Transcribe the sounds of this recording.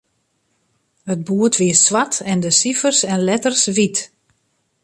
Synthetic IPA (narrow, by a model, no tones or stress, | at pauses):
hət̚buətʋiəsʋatɛndəsifərsɛnlɛtərsʋit